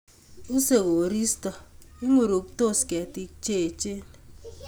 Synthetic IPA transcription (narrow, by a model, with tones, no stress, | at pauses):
u˦se˨ko˨ɾi˦stɔ˨i˦ŋo˦˨ɾo˨kto˦skɛ˨ti˦k̚t͡ʃe˦˨t͡ʃe˦n˨